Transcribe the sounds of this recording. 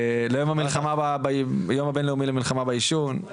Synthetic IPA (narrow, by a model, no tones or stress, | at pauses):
lejomamilχamababajomabenleumilemilχamabaiʃun